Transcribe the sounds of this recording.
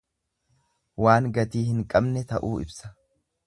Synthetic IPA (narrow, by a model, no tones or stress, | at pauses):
waːŋɡɐt̪iːhɪŋkʼɐbnɛt̪ɐʔuːɪ̰bsɐ̥